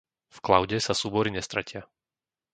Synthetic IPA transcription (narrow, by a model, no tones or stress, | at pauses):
fklaʊɟɛsasuːbɔɾiɲɛst̪ɾacɪa